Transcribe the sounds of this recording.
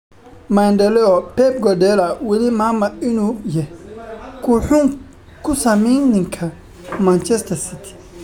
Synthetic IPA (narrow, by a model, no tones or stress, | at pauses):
mandɛlɛɔpɛb̚ɡɔdɛlɐwɛlimaːmɐɪnujɛkʰuːħʊŋ | kʰʊsɐmiŋnɪŋkʰɐ | mant͡ʃɛst̪ʰɐsit̪ʰi̥